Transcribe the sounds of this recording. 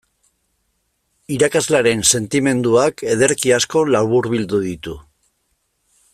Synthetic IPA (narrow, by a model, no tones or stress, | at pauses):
iɾakazlaɾe̞nse̞nt̪ime̞nd̪uake̞ð̞e̞ɾkiasko̞lawβuɾβild̪uðit̪u